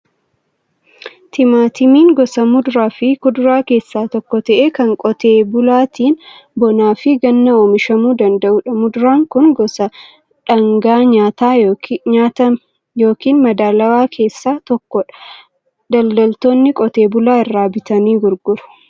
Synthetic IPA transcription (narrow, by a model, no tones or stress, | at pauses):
t̪ʰɪmaːt̪ɪmiːŋɡɔsɐmʊd̪ʊɾaːfɪkʊd̪ʊɾaːke̞ːsːaːt̪ɔkːɔt̪ɐʔeːkɐŋkʼɔt̪eːbʊlaːt̪iːn | bɔnaːfɪɡɐnːɐoːmɪʃɐmuːd̪ɐnd̪ɐʔʊᶑɐmʊd̪ʊɾaːŋkʊnɡɔsɐ | ᶑɐŋɡaːɲaːt̪aːaːt̪ɐ | jo̞ːkiːnmɐd̪aːlɐwaːkʰe̞ːsːaːt̪ɔkːɔ | d̪ɐld̪ɐlt̪o̞ːnːɪkʼɔt̪e̞ːbʊlaːɪrːaːbɪt̪ɐniːɡʊɾɡʊɾʊ̥